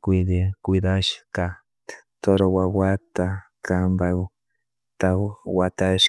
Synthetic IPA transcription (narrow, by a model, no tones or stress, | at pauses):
kd̪ekʊjd̪aʃka | t̪oɾowawat̪akambaw | t̪awwat̪aʃ